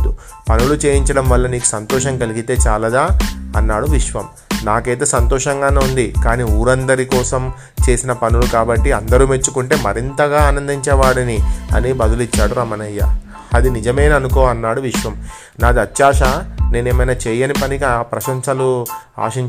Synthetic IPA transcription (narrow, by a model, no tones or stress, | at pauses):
d̪u | pɐnulut͡ʃe̞ːjiɲt͡ʃɐɽɐmʋɐlːɐniːku̥sɐnt̪ɔːʃɐŋkɐliɡit̪e̞ːt͡ʃaːlɐd̪aːɐnːaːɽuʋiʂʋɐm | naːkejt̪eːsɐnt̪ɔːʂɐŋɡaːneːund̪ikaːniːuːɾɐnd̪ɐɾikɔːsɐm | t͡ʃe̞ːsinɐpɐnulukaːbɐʈːiɐnd̪ɐɾuːmet͡ʃːukuɳʈe̞ːmɐɾint̪ɐɡaːaːnɐnd̪iɲt͡ʃɛːʋaːɽɐniɐ̰nibɐd̪ɐlit͡ʃːaːɽuɾɐmɐnɐjːɐ̰ | ɐd̪inid͡ʒɐmeːnɐnukoːɐnːaːɽuʋiʂʋɐm | naːd̪iɐt̪jaːʂɐne̞ːneːmɐjnaːt͡ʃɛːjɐnipɐnikiapɾɐʃɐɲsɐlua̰ːʂiɲ